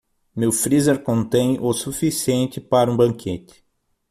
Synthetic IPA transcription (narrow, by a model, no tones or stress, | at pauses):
mewfɾizeɾkõnt̪ẽj̃osufisiẽnt̪ɪpaɾɐũbɐ̃ŋkʰet̪ɪ̥